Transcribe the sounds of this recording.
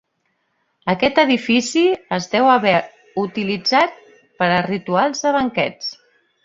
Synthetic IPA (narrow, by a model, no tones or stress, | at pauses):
əkɛt̪əðifisiəzðɛwəβɛ | ut̪ilid͡zat̪̚ | pəɾərit̪ualˠzðəβ̞əŋkɛt͡s